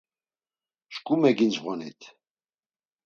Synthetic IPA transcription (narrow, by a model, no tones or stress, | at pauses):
ʃkʼumɛɡind͡ʒʁɔnḭt̪ʰ